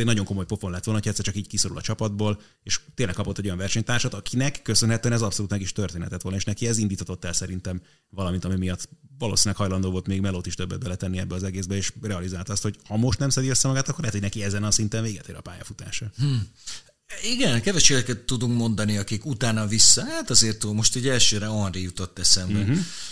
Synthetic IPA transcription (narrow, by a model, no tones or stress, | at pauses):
ɛɟnɒɟo̞ŋko̞mojpo̞fo̞nlɛt̪ʋolnɦoɛt̪sːɛrt͡ʃɒkiːɟkiso̞ɾṵlɒ̰t͡ʃɒpɒd̪boːl | eːʃt̪eːnlɛkːɒpo̞t̪ːɛɟojɒɱvɛrʃɛɲt̪aːrʃɔt̪ɒkʰinɛkːøsønɦɛt̪øɛnɛzɒpsoluːt̪mɛɡiʃt̪ørt̪eːnɛ̰t̪ɛt̪ʋo̞lɒeːʃnɛkiɛzind̪iːt̪hɒt̪o̞t̪ːɛlsɛɾint̪ɛm | vɒlɒmint̪ɒmimijɒt̪ːvɒlo̰sinlɛkhɒjlɒnd̪oːvo̞lt̪meːɡmɛloːt̪iʃt̪øbːɛd̪̚bɛlɛt̪ɛnːiɛbːɛɒzɛɡeːzbɛeːʃrɛɒlizaːlt̪ɒst̪ho̞ɟhɒmo̞ʃt̪nɛmsɛd̪iøsːɛmɒɡaːt̪ɒkːorlɛɦɛt̪hoɟnɛkiɛzɛnɒsint̪ɛɱveːɡɛt̪eːɾɒ̰paːjɒfut̪a̰ːʃɒh̩ | iɡɛnkɛvɛʃeːd̪ɛkɛt̪ːud̪uŋkmo̞nd̪ɒniɒkikut̪aːnɒvisːɒhaːt̪ɒzeːrt̪ulmo̞ʃt̪ɛɟɛlʃøːɾɛonrijut̪o̞t̪ːɛsɛmɛ